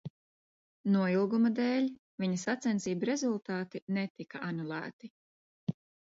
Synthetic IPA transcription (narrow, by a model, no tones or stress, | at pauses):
nuɔjilˠɡumɐd̪eːlʲ | viɲɐsat̪sɛnsiːbɾezulˠt̪aːt̪inɛt̪ikɐanulˠæ̰ːt̪i